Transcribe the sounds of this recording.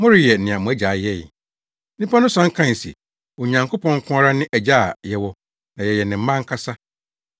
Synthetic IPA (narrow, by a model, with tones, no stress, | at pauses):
mʊ̃˦ɾɪ˨jɛ˨n̩˨nɪ̃˨a˨mʊ̃˨æ˦d͡ʑa˨jɛ˦˨j̩˨˦ | nĩ˦pʰa˦nʊ̃˦sã˨˦ŋ̩˦kʰã˦n˨sḭ˨ | wɔ˨ɲã˨ŋkʰʊ˦pʰɔ̃˦ŋ˦kʰʊ̃˦a˦ɾa˦nɪ̃˦ʔæ˨d͡ʑa˦˨jɛ˨wɔ˦ | nã˨jɛ˨jɛ˨nɪ̃˨m̩˦mã˦ŋ˦kʰa˦sa˦